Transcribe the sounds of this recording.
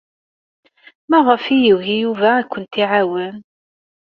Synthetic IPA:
mɑðˤəfijiwɣijuvæːkʷːənt̪iʕawən

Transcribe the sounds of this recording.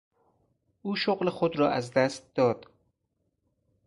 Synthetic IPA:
uːʃoɣlexod̪ɾɒːʔæzd̪æst̪̚d̪̥ɒːd̪̥

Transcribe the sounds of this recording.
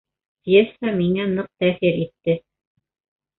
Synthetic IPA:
pjesamiŋænɤq̚t̪æθiɾit̪ːɘ

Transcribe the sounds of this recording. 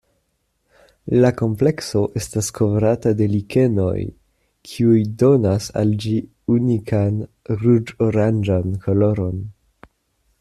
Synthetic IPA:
lako̞mple̞kso̞ʔe̞staskʰo̞vɾatade̞like̞no̞̰j | kʰiujdo̞nasa̰ld͡ʒi | unikʰan | ɾud͡ʒoɾand͡ʒankʰo̞lo̞ɾo̞n

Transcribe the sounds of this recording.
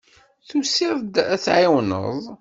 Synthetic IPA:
θusiɾd̪æt͡sʕiwnə̰ðˤ

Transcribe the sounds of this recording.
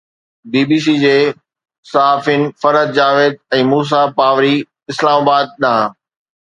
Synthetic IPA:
biːbiːs̬id͡ʑeː | saaːfɪnɪ̆fɐɾəd̪̚d͡ʑaːʋeːd̪̚ɛ̃ːmuːs̬apaːʋɾi | ɪslaːmaːbaːd̪̚ɗãː

